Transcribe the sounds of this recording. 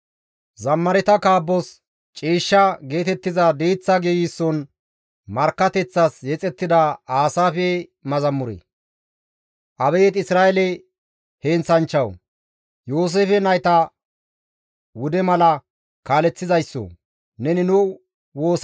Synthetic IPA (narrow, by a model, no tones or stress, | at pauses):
zɐmːɐɾɛt̪ɐkaːbːɔs | t͡ʃʼiːʃːɐɡe̞ːt̪ɛt̪ːɪzɐd̪ejt͡sːɐɡejisːɔn | mɐɾkːɐt̪ɛt͡sːɐsjɛt͡sʼɛt̪ːɪd̪ɐaːsaːfɛmɐzɐmːʊɾḛ | ʔɐbɛjɛt̪ɪsɾaːʔɛlɛ | heːnt͡sɐnt͡ʃːɐw | joːs̬eːfɛnɐjt̪ɐ | wʊd̪ɛmɐlɐ | kaːlɛt͡sːɪzɐjsːɔ̰ | nɛnɪnʊ | wo̞ːs